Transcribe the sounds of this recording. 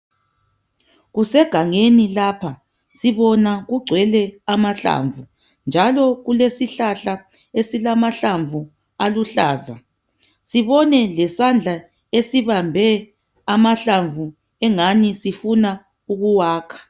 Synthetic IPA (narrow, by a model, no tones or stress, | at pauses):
ɣusɛɡ̥ʱaŋenilaːpʰa | siβɔnaɣuɡ͡ǀʱwɛlɛamaɬa̰ɱvu | nd͡ʒʱalɔɣulesiɬaɬa | esilamaɬaɱvʱu | aluɬaːza̰ | siβɔnɛlɛsand͡ɮʱa | esiβambʱɛ | amaɬaɱvʱu | ɛŋanisifuna | uɣuwaːkʰḁ